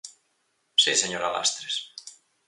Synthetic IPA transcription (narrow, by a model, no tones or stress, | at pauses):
siseɲoɾala̰st̪ɾes